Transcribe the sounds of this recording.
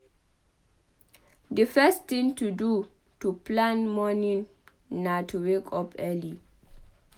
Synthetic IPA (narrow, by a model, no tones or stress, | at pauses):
dəfɛst̪ĩŋtʰudu | tuplãnmɔnĩŋ | natʰuwekʰɔpʰɛli